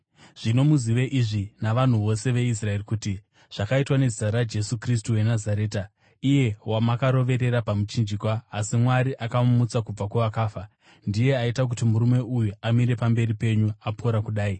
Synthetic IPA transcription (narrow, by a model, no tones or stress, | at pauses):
ʐ̥ino̞muziʋeʔiʐinaʋan̤uʋo̞se̞ʋe̞is̬rae̞rikuti | ʐ̥akaitwane̞zitaɾad͡ʒe̞sukris̬tuwe̞nazaɾe̞ːta | ije̞wamakaɾo̞ʋe̞ɾe̞ɾapamut͡ʃind͡ʒikwaːsimwaɾiʔakamut͡sakub͡vakuʋakaːfa | ndije̞aitak̬utimuɾume̞ʔujuamiɾe̞pambe̞ripe̞ɲuapʰoɾakuɗaːi